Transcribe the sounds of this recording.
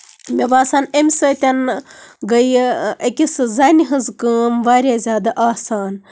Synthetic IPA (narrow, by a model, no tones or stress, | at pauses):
mʲeʋaːsaːnemʲsɨt̪ʲɐnɡəjɐkʲisɨzɐniɦɨzkɨːmʋaːɾʲazʲaːd̪aʔaːsaːn